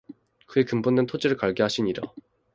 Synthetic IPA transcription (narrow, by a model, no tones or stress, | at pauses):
kɯekɯmbondwe̞ntʰod͡ʑiɾɯɭkaɭɡeɦaɕʰiɲiɾa̰